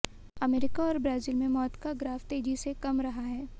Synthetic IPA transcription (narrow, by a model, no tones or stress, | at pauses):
ɐmeːɾɪkaɔːɾbɾaːziːlmẽmɔːt̪kaɡɾaːft̪eːd͡ʒisekɐmɾɐɦaɦɛː